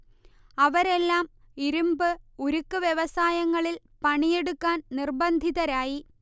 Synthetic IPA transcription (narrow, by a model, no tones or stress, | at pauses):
ɐʋɐɾe̞lːaːm | iɾumbɨoɾukːɨʋjeʋɐsaːjɐŋːɐɭil | pɐɳije̞ɽukːaːnnirbɐnd̪ʱiðɐɾaːji